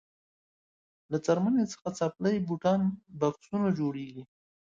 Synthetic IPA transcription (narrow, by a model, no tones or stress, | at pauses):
lat͡saɾmanet͡sə̥xat͡sapləjbuʈɑnbaksunad͡ʒoɽeɡi